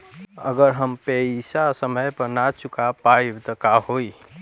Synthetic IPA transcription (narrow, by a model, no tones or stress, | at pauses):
ə̰ɡəɾɦəmpəisasəməjpəɾnat͡ʃʰukapajbt̪əkaɦoj